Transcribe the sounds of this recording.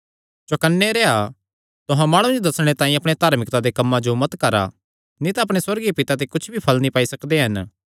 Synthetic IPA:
d͡ʒokɐnːeɾeːa | t̪ʊɦãmaːɽ̃ũd͡ʒod̪ɐsɽ̃et̪ãːĩɐpɽ̃et̪aːɾmɪkt̪ad̪ekɐmːãd͡ʒomɐt̪kɐɾa̰ | nĩt̪aɐpɽ̃eswɐɾɡiepɪt̪at̪̬ekʊt͡ʃʰbʱipʰɐlnĩpaːisɐkd̪eɦɐn

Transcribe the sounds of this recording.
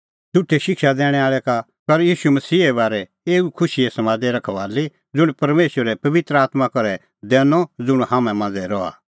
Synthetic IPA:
d̪ʊʈʰːɛʃɪkʃad̪ɛːɽ̃ɛaːɭɛka | pɐɾjiːʃumɐsiːɛbaːɾɛ | eːukʰʊʃiɛsɐmãːd̪ɛɾɐkʰɐʋaːli | d͡zʊɽ̃pɐɾmeːʃəɾɛpɐʋɪt̪ɾəaːt̪makɔɾɛ | d̪ɛːnɔd͡zʊɽ̃haːmɛ̃mãːnd͡zɛɾɔa̰

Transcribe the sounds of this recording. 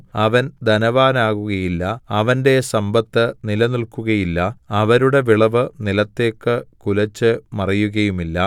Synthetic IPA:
ɐʋɐnd̪ʱɐnɐʋaːnaːɣuɣɐjilːɐɐʋɐnde̞sɐmbɐt̪ːɨnilɐnilkuɣɐjilːɐɐʋɐɾuɽe̞ʋiɭɐʋɨnilɐt̪ːe̞ːkːɨkulɐt͡ɕːɨmɐrɐjuɣɐjumilːɐ

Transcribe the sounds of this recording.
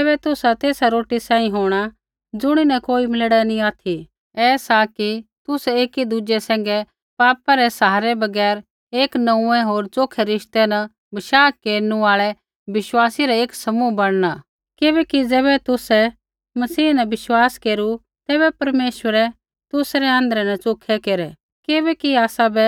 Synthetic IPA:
ɛbɛt̪ʊsat̪eːsaɾoːʈisãːĩɦoːɽ̃a | d͡zʊɽ̃inɛkoːimɪlɽɛnĩaːt̪ʰi | ɛːsakit̪ʊsɛeːkid̪ʊd͡ʒɛsɛ̃ːŋ̆ɡɛ | paːpaɾɛsaɦaːɾɛbɐɡɛːɾ | eːknɐ̃ũɛ̃ɦoːɾt͡ʃoːkʰɛɾɪʃt̪ɛnɐ | bɐʃaːkeːɾnũaːɭɛ | bɪʃwaːsiɾɛeːksɐmubɐɽ̃na | kɪbɛːkid͡zɛːβɛt̪ʊsɛ | mɐsiːnɛbɪʃwaːskeːɾu | t̪ɛːbɛpɐɾmeːʃwəɾɛ | t̪ʊsɾɛɐ̃nd̪əɾɛnɐt͡ʃoːkʰɛkeːɾɛ | kɪbɛkiaːsabɛ

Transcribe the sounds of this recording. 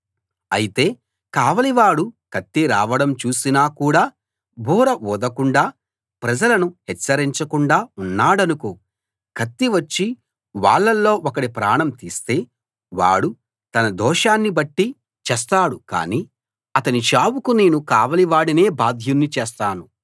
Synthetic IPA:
ɐjit̪e̞ː | kaːʋɐliʋaːɽukɐt̪ːiɾaːʋɐɽɐmt͡ʃuːsinaːkuːɽaː | bʱuːɾɐʔɔːd̪ɐkuɳɖaː | pɾɐd͡ʒɐlɐnuhɛt͡ʃːɐɾiɲt͡ʃɐkuɳɖaːunːaːɽɐnukoː | kʰɐt̪ːiʋɐt͡ʃːi | ʋa̰ːɭːɐlːo̞ːʔɔkɐɽipɾaːɳɐmt̪iːst̪e̞ː | ʋa̰ːɽu | t̪ɐnɐd̪ɔːʃaːnːibɐʈːi | t͡ʃɛːs̬t̪aːɽuka̰ːniː | ɐt̪ɐnit͡ʃaːwukune̞ːnukaːʋɐliʋaːɽine̞ːbaːd̪ʱjunːit͡ʃeːst̪aːnu

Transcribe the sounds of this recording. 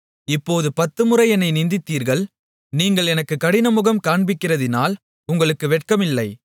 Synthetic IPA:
ɪpːoːðɯpɐt̪ːɯmɯrɐɪɛnɐɪnɪnd̪ɪt̪ːiːɾɣɐɭ | niːŋɡɐɭɛnɐkːɯkːɐɽɪnɐmʊɣɐmkaːɳbɪkːɪrɐðɪnaːl | ʊŋɡɐɭɯkːɯʋɛʈ̚kɐmɪlːɐɪ

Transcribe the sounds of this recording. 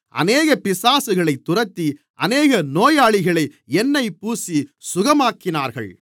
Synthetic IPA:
ʔɐ̰neːɣɐpɪsaːsɯɣɐɭɐɪt̪ːʊrɐt̪ːi | ʔɐneːɣɐnoːjaːɭɪɣɐɭɐɪɛnːɐɪpuːsisʊɣɐmaːkːɪnaːɾɣɐ̰ɭ

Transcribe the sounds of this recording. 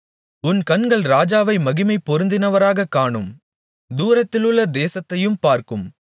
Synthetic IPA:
ʊnkɐnɡɐɭɾaːd͡ʒaːʋɐɪmɐɣɪmɐɪpːɔɾɯnd̪ɪnɐʋɐɾaːɣɐkːaːɳɯm | d̪uːɾɐt̪ːɪlɯɭːɐd̪eːsɐt̪ːɐjɯmpaːɾkɯm

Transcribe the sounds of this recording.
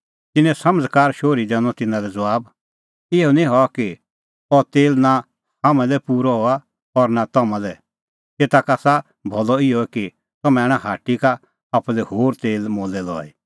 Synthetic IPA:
t̪ɪnːɛ̃sɐməd͡zkaːɾʃoːɾid̪ɛːñɔ̃t̪ɪnãɾɛd͡zʋaːb | ɪjɔnĩɦɔaki | ɔt̪eːlna | hamɛ̃lɛpuːɾɔɦɔa | ɔɾnat̪ɐmãlɛ | t̪eːt̪akaːsa | bʱɔlɔɪɔɛki | t̪ɐmɛ̃ɛːɽ̃ãɦaːʈikaː | plɛhoːɾt̪eːlmoːlɛlɔ̰ːḭ

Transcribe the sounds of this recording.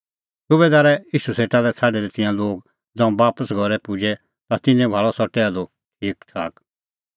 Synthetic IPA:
sʊβɛd̪aːɾɛiːʃuseːʈad̪ɛt͡sʰaːɖɛɾɛt̪ɪ̃jãloːɡ | d͡zãːũbaːpəsɡʱɔɾɛpʊd͡ʒɛ | t̪at̪ɪnɛ̃bʱaːɭɔsɔʈɛad̪o | ʈʰiːktʰa̰ːk

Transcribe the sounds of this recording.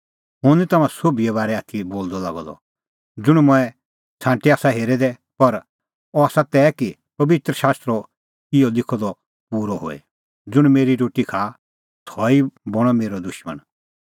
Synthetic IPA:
ɦʊ̃nit̪ɐmãsobiɛβaːɾɛaːt̪ʰiboːld̪ɔlaɡɔ̰d̪ɔ̰ | d͡zʊɽ̃mʊɛ | t͡sʰãːʈiaːsaɦeːɾɛd̪ɛ | pɐɾ | ɔaːsat̪ɛːki | pɐbɪt̪ɾəʃaːst̪ɾɔ | ɪjɔlɪkʰɔd̪ɔ | puːɾɔɦo̰ːɛ̰ | d͡zʊɽ̃meːɾiɾoːʈikʰa | t̪ʰɔibɔɽ̃ɔmeːɾɔd̪ʊʃmə̰ɳ

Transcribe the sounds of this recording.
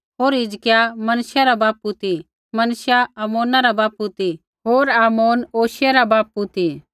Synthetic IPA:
ɦoːɾɪd͡ʒkɪjamɐnʃjaɾabaːp̚ːut̪i | mɐnʃjaaːmoːnaɾabaːpːut̪i | ɦoːɾaːmoːnoːʃjaɾabaːp̚ːut̪i

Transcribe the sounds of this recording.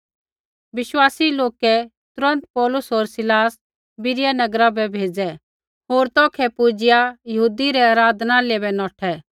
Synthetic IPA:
ʋɪʃwaːsiloːkɛt̪ʊɾə̃nt̪pɔːlʊsɦoːɾsɪlaːs | bɪɾɪjanɐɡɾabɛbʱeːd͡zɛ | ɦoːɾt̪ɔːkʰɛpʊd͡ʒɪjajɐɦuːd̪iɾɛaːɾaːd̪naleːbɛnɔːʈʰɛ

